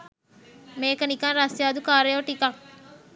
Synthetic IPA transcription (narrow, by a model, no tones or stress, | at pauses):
meːkənikãːɾaːsjaːd̪ukaːɾejoːʈika